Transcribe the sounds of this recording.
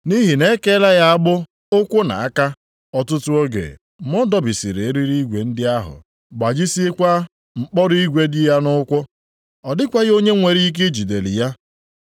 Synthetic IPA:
ni˦ɦi˨ne˦ke˦la˦ja˦a˦bʊ˦ | ʊ˦kʷʊ˦na̰˨a˦ka˦ | ɔ˦tʊ˦tʊ˦o˦ɡḛ˨ | mɔ˦dɔ˦˨bi˨si˨ɾe˨e˦ɾi˦ɾi˦ɡʷe˨n̩˦dɪ˦a˦ɦʊ̰˨ | ɡ͡ba˨d͡ʒi˦si˦e˦kʷa˦ | ŋ͡m̩˨k͡pɔ˦ɾi˦ɡʷe˦dɪ˦ja˦nʊ˦kʷʊ˦ | ɔ˨dɪ˦kʷa˦ɣo˦ɲe˦ŋʷe˨ɾi˦i˦k̬e˦d͡ʒi˨de˨lḭ˨ja˦

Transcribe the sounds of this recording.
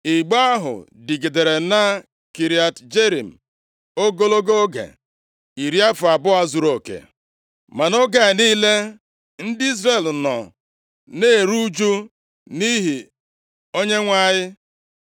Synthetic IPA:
i˨ɡ͡ba˦a˦ɦʊ̰˨dɪ˨ɡe˨de˨ɾe˨na˦ | ki˨ɾi˨˦a˨td͡ʒe˦ɾi˨m̩˨ | o˦ɡo˦lo˦ɡo˦ɡḛ˨ | i˨ɾi˦a˦fʊ˨a˨bʊ˦a˦zu˨ɾo˨kḛ˨ | ma˨no˦ɡa˨niː˦le˦ | n̩˦dɪ˦i˦zɾe˨lnɔ̰˨ | ne˦˨ɾu˦d͡ʒu˦ | ni˦ɦi˨ | o˦ɲe˦ŋʷa˦jɪ˦

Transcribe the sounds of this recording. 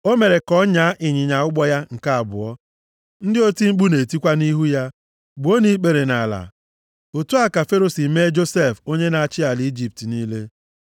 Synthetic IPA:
o˦me˨ɾe˨kɔ˦ɲa˨˦ʔɪ˨ɲɪ˨ɲa˨ʊ˦ɡ͡bɔ˦ja˦ŋ̩˨ka˦a˨bʊ̰˨ɔ˦ | n̩˦dɪ˦o˦ti˦ŋ͡m̩˦k͡pu˦ne˨ti˦kʷa˦ni˦ɦu˦ja˦ | ɡ͡bʊ˨o˦ni˦k͡pe˨ɾe˨na˨la̰˨ | o˨tu˦a˨ka˨fe˦ɾo˨si˨me˦d͡ʒo˦se˦˨fo˦ɲe˦na˨a˨t͡ʃɪ˦a˨ld͡ʒi˦˨p̚ti˨niː˦le˦

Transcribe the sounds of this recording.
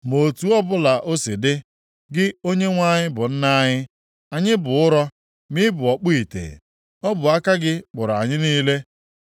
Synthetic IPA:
mo˨tu˦ɔ˦bʊ˦la˨ʔo˦sɪ˨dɪ˦ | ɡɪ˦o˦ɲe˦ŋʷa˦ɲɪ˦bʊ˨n̩˦na˦ɲɪ˦ | a˨ɲɪ˦bʊ˨ʊ˦ɾɔ˦ | mɪ˦bʊ˨ɔ˨k͡pu˦i˨tḛ˨ | ɔ˦bʊ˨a˦ka˦ɡɪ˦k͡pʊ˨ɾa˨ɲɪ˦niː˦le˦

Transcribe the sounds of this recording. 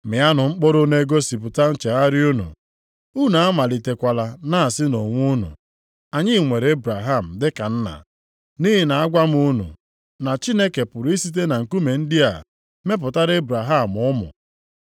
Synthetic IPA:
mɪ˨a˦nʊ˨ŋ͡m̩˦k͡pɔ˦ɾʊ˦ne˦ɡo˦si˨pʊ˨ta˦n̩˨t͡ʃe˨a˦ɾɪ˦u˦nṵ˨ | u˦na˨a˦ma˨li˨te˨kʷa˨la˨na˦a˨sɪ˦no˨ŋʷu˦nṵ˨ | a˨ɲɪ˦˨ŋʷe˨ɾe˦bɾa˨ɦa˦˨m̩˨dɪ˦ka˨n̩˦na̰˨ | ni˦ɦi˨na˨a˦ɡʷa˦m˦u˦nṵ˨ | na˨t͡ʃi˦ne˦ke˨pʊ˨ɾi˦si˦t̬e˦na˨ŋ̩˨ku˦me˨n̩˦dɪ˦a˨ | me˦p̬ʊ˨ta˦ɾe˦bɾa˨ɦa˦˨m˨ʊ˦mʊ̰˨

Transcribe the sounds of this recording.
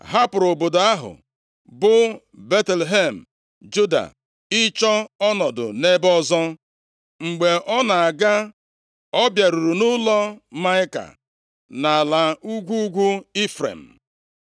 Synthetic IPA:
ɦa˦pʊ˨ɾo˨bo˨dʊ˨a˦ɦʊ̰˨ | bʊ˦ | be˦tlɦe˦˨m̩˨ | d͡ʒu˦da̰˨ | ɪ˦t͡ʃɔ˦ɔ˦nɔ˨dʊ̰˨ne˦bɔ˦zɔ˦ | ŋ͡m̩˨ɡ͡be˨ʔɔ˦na˨a˨ɡa˦ | ɔ˦bja˨ɾu˨ɾu˨nʊ˦lɔ˦ma˦ɪ˦ka̰˨ | na˨la˨u˦ɡʷu˦ɡʷu˦i˦fɾḛ˨m̩˨

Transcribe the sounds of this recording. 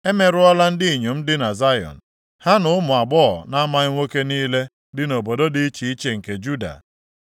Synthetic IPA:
e˦me˦ɾʊ˦ɔ˦la˦n̩˦dɪ˦i˨ɲo˨m̩˦dɪ˦na˨za˦jɔ̰˨n̩˨ | ha˦nʊ˦ʊ˦mʊ˨a˨ɡ͡bɔ̰˦˨na˦ma˦ɪ˦ŋʷo˦ke˦niː˦le˦ | dɪ˦no˨bo˨do˦di˦i˦t͡ʃi˨i˦t͡ʃe˨ŋ̩˨ke˨d͡ʒu˦da̰˨

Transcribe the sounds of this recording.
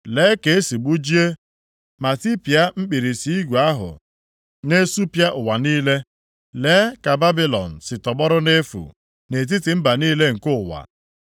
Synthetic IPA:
leː˨˦ke˨e˦si˨ɡ͡bu˦d͡ʒi˦e˦ | ma˨ti˦pja˦m̩˦k͡pi˨ɾi˨si˨i˦ɡʷu˨a˦ɦʊ̰˨ | ne˦su˦pja˦ʔʊ˨wa˨niː˦le˦ | leː˨˦ka˨ba˦bi˦lɔ̰˨n̩˨sɪ˨tɔ˨ɡ͡bɔ˦ɾʊ˦ne˦fṵ˨ | ne˨t̬i˦tɪ˨m̩˦ba˨niː˦le˦ŋ̩˨kʊ˦˨wa̰˨

